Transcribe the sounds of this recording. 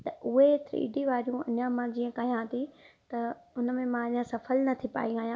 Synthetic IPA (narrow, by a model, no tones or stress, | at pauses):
t̪ɐʔʊɦet̪ɾḭːɖiʋaːɾijũɐ̰ɲãmãd͡ʑiːə̃kɐɦjãt̪ʰit̪ɐʊnəmẽmãɐɲãsɐfəlnɐt̪ʰipa̰ːiaːjãː